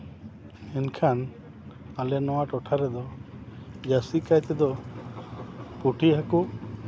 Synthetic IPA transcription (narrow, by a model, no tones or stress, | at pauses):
ɛnkʰan | alɛnɔwaʈɔʈʰaɾɛd̪ɔ | d͡ʒasikajt̪ɛd̪ɔ | puʈiɦaku